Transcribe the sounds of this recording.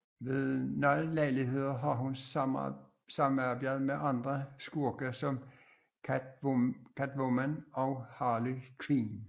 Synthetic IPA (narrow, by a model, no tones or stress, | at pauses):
ʋe̝ðˠnɒɪlæɪliɦe̝ð̞̰ˠɐɦɑ̈ɦun | sɑ̈mæb̥æðˠmeʔɑ̈nd̥ʁɐsɡ̥uɐɡ̥ɐsɒ̽mʰ | kʰæd̥ʋomænɒʊhɑːlykʰʋin